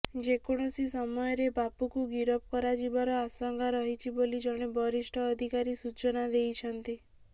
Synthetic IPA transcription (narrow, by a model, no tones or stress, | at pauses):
d͡ʒekɔɽ̃ɔsisɔmɔjɔɾebapukuɡiɾɔp̚kɔɾad͡ʒibaɾɔasɔŋɡʱaɾɔɦit͡ʃʰibolid͡ʒɔɽ̃ebʱɔɾiʃʈʰɔːd̪ʱikaɾisut͡ʃɔnad̪ejt͡ʃʰɔnt̪i